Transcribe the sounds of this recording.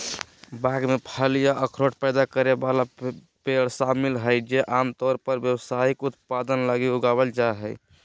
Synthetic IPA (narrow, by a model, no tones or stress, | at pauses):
bãɡmepʰəlijaʔəkʰɾoʈ̚pɛjd̪akəɾebala | peɽsamilɦəjd͡ʒeʔamt̪ɔɾpəɾbjəwsaikut̪̚pad̪ənləɡiuɡabəld͡ʒaeɦəj